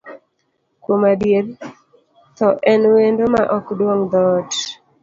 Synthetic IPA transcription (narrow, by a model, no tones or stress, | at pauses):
kwomadjeɾ | t̪ɔʔɛnwendomaʔɔkdwoŋd̪ɔt